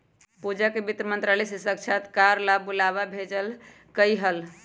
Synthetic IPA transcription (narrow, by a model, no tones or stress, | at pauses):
pud͡ʒakebit̪ɾəmənt̪ɾaləsisək̚t͡ʃʰat̪kaɾlabulaβabʱed͡ʒəl | kəjɦəl